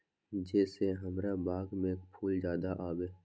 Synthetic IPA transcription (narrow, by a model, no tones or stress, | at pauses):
d͡ʒɛːseɦəmɾabaːɡmẽkpʰuːld͡ʒjaːd̪aʔaːweː